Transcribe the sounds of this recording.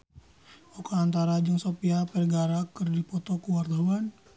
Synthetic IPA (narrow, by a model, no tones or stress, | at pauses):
ɔkaːnt̪aɾad͡ʒaŋsopiapɛrɡaɾakɨrdipɔt̪ɔkuward̪awan